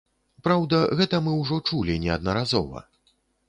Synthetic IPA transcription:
pɾawd̪ɐɣɛt̪ɐmɨwʐɔt͡ʂulʲinʲɛɐd̪nɐɾazɔ̰vɐ̰

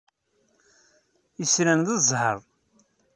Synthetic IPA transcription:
əsɾænðəzˤhə̰ɾˤ

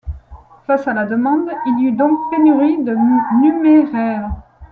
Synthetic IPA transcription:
fasalad̪əmɑ̃d̪ilyd̪ɔ̃k̚penyʁid̪ənymeʁɛːʁ

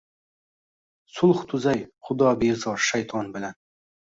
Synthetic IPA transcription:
sʊlˠχt̪ʰʊzajχʊd̪ɒːbezɒɾʃajt̪ʰɒnbɪlan

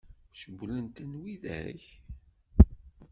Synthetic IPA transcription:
ʃəɡʷlənt̪ənwiðæ̰ç

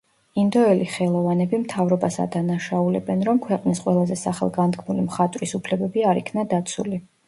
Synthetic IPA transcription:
ind̪ɔɛliχɛlˠɔvanɛbimt̪ʰavɾɔbasa̰d̪anaʃaulɛ̰bɛnɾɔmkʰwɛqʼnisqʼwɛlˠazɛsaχɛ̰lˠɡand̪kʰmulimχat̪ʼɾisupʰlɛbɛbiaɾikʰnad̪at̪sʰṵli

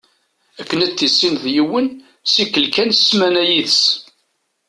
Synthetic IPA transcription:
ækːənæt̪ːisːinðjəwːən | sikːəlkænə̥smænæjiðəs

